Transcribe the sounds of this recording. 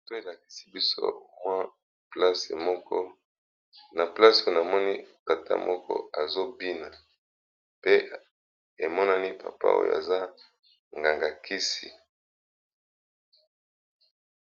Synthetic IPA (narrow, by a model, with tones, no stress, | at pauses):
to˦e˨la˨ki̥˨si˦bi˦so̰˦mwa˦ | pla˦se˨mɔ˦kɔ˦ | na˨pla˦so˦˨na˨mɔ˦ni˦ta˨tʰa̰˦mɔ˦kɔ̰˦a˨zo˦bi˦na˨ | pe˦ | e˨mɔ˦na˦ni˦pʰa̰˨pa̰˦o̰˦ja̰˨za˦ | ŋɡa˨ŋɡa˨kʰi˦si˨